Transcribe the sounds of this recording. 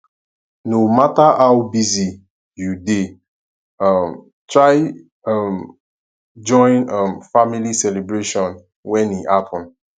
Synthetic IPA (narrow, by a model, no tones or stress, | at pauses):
nomataʔawbizi | jude | ʌm | tɹaɪ | ʌm | d͡ʒɔ̃ɪ̃nʌmfamilisɛlebɹeʃɔ̃n | wɛ̃niʔatɔ̃n